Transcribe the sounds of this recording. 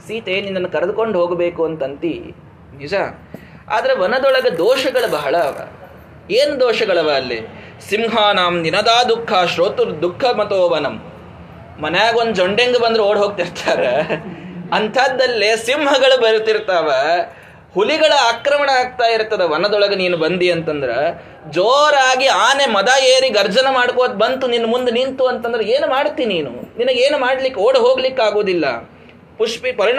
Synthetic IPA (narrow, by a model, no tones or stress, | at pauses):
siːt̪eːninːɐnːɐkɐɾɐd̪ukoɳɖɦoːɡbeːkuɐnt̪ɐnt̪ḭ | nid͡ʒa | a̰ːd̪ɐɾeʋɐnɐd̪ɔɭɐɡɐd̪oːʃɐɡɐɭɐbɐɦɐɭɐːʋɐ̰ | eːnd̪oːʃɐɡɐɭɐʋɐɐlːḭ | simɦaːnaːmninɐd̪aːd̪ukʰːaːʃɾoːt̪uɾd̪ukʰːɐmɐt̪oːʋɐnɐmː | ɐnɐjaːɡond̪ud͡ʒoɳɖeŋɡɐbɐnd̪ɾeoːɽɦoːɡ̚t̪iɾt̪ʰaːɾe | ɐnt̪ʰaːd̪ːɐlːesimɦɐɡɐɭubɐɾt̪iɾt̪aːʋɐ | huliɡɐɭɐaːkɾɐmɐɳɐaːɡ̚t̪aːjiɾt̪ːɐd̪eʋɐnɐd̪ɔɭɐɡɐniːnubɐnd̪iɐnt̪ɐnd̪ɐɾe | d͡ʒoːɾaːɡiaːnemɐd̪ajeːɾiɡɐɾd͡ʒɐnɐmaːɽkoːd̪̚bɐnt̪uninːɐmund̪unint̪uɐnt̪ɐnd̪ɐɾeeːnumaːɽt̪ːiːnniːnṵninɐɡeːnumaːɽlikːoːɽɦo̞ːɡlikːaːɡoːd̪ilːɐ̰ | puʂpipɐɾiɳ